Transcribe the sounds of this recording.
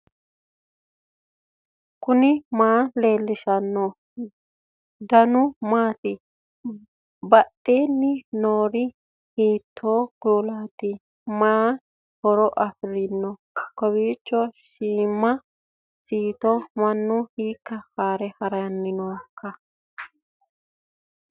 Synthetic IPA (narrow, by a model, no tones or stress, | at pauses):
kʊnɪmaːleːlːɪʃɐnːɔ | d̪ɐnʊmaːt̪ɪ | bɐtʼːeːnːɪnoːɾɪ | hiːt̪ʰːoːɡ̥uːlaːt̪ɪ | maː | hɔɾɔʔɐfɪɾɪnːɔ | kɔβiːt͡ʃːɔʃiːmːɐ | siːt̪ɔmɐnːʊhiːkːɐkaːɾɛhɐɾɐjɐnːɪnɔwkʰːɐ